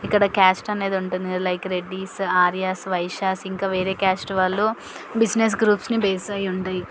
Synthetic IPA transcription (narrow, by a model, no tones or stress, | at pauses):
ikːɐɽɐkaːsʈɐne̞ːd̪uɳʈund̪ilɐjkɾe̞ɖːiːsaːɾjasʋɐjʃaːsiŋkaːʋe̞ːɾe̞ːkaːsʈʋaːɭːuː | bid͡ʒnes̬ɡɾuːpsnibeːsɐjuɳʈaːji